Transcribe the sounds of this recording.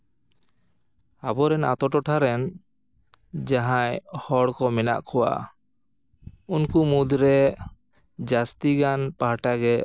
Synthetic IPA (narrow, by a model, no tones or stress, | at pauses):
abɔɾɛna̰t̪ɔʈɔʈʰaɾɛn | d͡ʒaɦajhɔɽkɔmɛna̰ʔkʰɔwa̰ | unkumud̪ɾɛ | d͡ʒast̪iɡanpaɦaʈaɡɛ